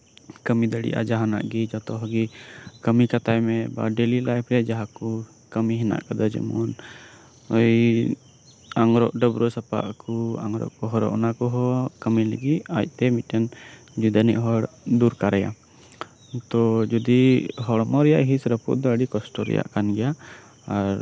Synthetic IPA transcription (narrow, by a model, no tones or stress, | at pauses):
kəmid̪əɽḭʔa̰d͡ʒaɦana̰ʔɡid͡ʒat̪ɔɦɔɡikəmikat̪ajmɛba̰ɖɛlilajpʰɾɛjaʔd͡ʒaɦaku | kəmiɦɛna̰ʔkad̪ad͡ʒɛ̰mɔn | əj | aŋɾɔ̰ʔɖəbɾɔsapa̰ʔkua̰ŋɾɔ̰ʔkɔɦɔɾɔ̰ʔɔnakɔɦɔkəmiləɡiʔ̚aj̚t̪ɛmitɛn | d͡ʒud̪aniʔɦɔɽd̪uɾkaɾɛja̰ | t̪ɔd͡ʒɔd̪iɦɔɽmɔɾɛjaʔɦisɾəpṵʔd̪ɔəɖikɔsʈɔɾɛ̰ja̰ʔkanɡɛja | aɾ